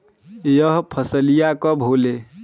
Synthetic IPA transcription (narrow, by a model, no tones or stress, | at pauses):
jəɦpʰəsəlijakəbʱole